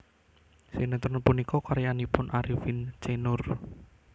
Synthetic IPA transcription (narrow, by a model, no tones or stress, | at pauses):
senet̪ɔnpunikɔkɔɾjanipʊnʔaɾifint͡ʃenʊr